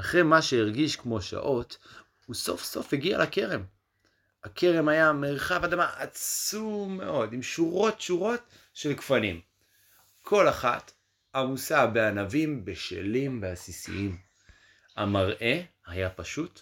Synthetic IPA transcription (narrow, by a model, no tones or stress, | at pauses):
aχʁemaʃeiʁɡiʃkmo̞ʃa̰ʔo̞t | uso̞̰fso̞fheɡia̰lʔake̞ʁe̞m | akʰe̞ʁe̞mhajameʁχavadamaʔat͡sumːe̞̰ʔo̞dimʃuʁo̞tʃuʁo̞t | ʃelkfanim | kʰo̞laχa̰t̪ | amusabeanavimbeʃḛlimveasisḭim | amaʁʔe̞ | hajapaʃut